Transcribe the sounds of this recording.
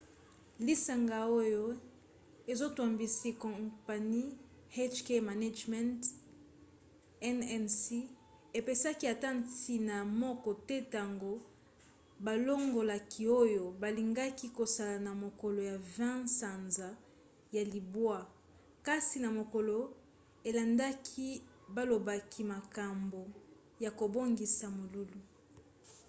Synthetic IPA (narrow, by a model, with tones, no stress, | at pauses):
li˦sa˨ŋɡa˨o˦jo˦ | e˨zo˦twa˨mbi˨si˦kɔ̃˨pa˨ni˦ | ha˦ʃkɛ˦ma˨na˦d͡ʒmɛ̃˦nt | ɛ˦nɛ˦˨nsi˦ | e˨pe˨sa˦ki˦a˨ta˦nti˨na˨mɔ˦kɔ˨tɛ˦ta˨ŋɡo˦ | ba˨lo˦ŋɡo˨la˨kʰi˦o˦jo˨ba˨li˨ŋɡa˦ki˦ko˨sa˨la˨na˨mo˨kɔ˨lo˨ja˨vɛ̃˦sa˨nza˨ | ja˨li˨bwa˦ | ka˦si˨na˨mo˨kɔ˨lo˨ | e˨la˨nda˦kʰi˦ | ba˦lo˨ba˦kʰi˦ma˨ka˨mbo˨ | ja˨ko˨bo˦ŋɡi˨sa˨mo˨lu˦lu˨